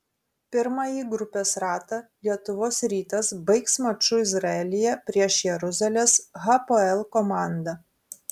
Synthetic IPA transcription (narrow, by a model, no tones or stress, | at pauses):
pʲɪɾmɐjiːɡɾʊpʲeːsɾɑːt̪ɐlʲiɛt̪ʊʋoːsɾʲiːt̪ɐsbɐɪksmɐt͡ʃʊɪzɾɐɛlʲɪjɛpʲɾʲiɛʃjɛɾʊzʲɐlʲeːsɣɐpoɛlˠkɔmɑˑnd̪ɐ